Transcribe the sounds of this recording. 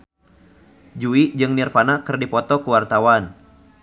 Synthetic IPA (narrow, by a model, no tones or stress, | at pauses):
d͡ʒuiʔd͡ʒɨŋnirfanakərdipɔt̪ɔkuwart̪awan